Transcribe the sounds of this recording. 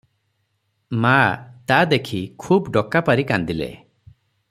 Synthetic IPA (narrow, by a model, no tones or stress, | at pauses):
mat̪ad̪ekʰikʰubɖɔkapaɾikand̪ilḛ